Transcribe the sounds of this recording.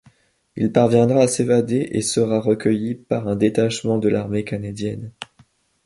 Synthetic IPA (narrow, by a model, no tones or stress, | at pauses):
ilpaʁvjɛ̃d̪ʁaːsevad̪eʔesəʁaʁəkʲəjipaʁɛ̃d̪et̪aʃmɑ̃d̪əlʔaʁmekanad̪jɛn